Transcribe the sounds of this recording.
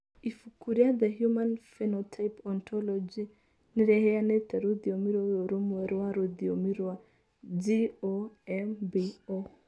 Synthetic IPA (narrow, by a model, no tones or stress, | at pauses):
ifukuɾiaðəhjumanfɛnɔtʰajpɔntɔlɔd͡ʒi | niɾɛhɛanɛtɛɾuðiɔmiɾwaɔɾomwɛɾaɾoðiɔmiɾa | d͡ʒioɛmbio